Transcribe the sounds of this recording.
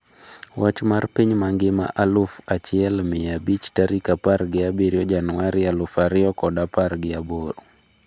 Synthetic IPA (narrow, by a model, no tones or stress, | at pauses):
wat͡ʃmaɾpiɲmaŋɡɪma̰ʔalufat͡ʃiɛlmiabit͡ʃtaɾikapaɾɡiabiɾiɔd͡ʒanuaɾialufaɾiɔkɔdapaɾɡɪabɔɾu